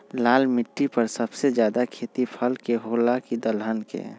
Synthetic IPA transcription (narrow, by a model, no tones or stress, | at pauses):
laːlmɪʈːipəɾsəbsed͡ʒjaːd̪akʰeːt̪ipʰəlkeɦoːlakid̪əlɦənkḛ